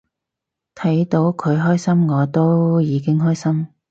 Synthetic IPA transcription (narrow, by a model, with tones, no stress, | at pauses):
t̪ʰɐ˨˥jt̪o˨˧˥wkʰɵ˨˧ɥɦɔː˥jsɐ˥mŋɔː˨˧t̪o˥wjiː˨˧kɪ˥ŋɦɔː˥jsɐ˥m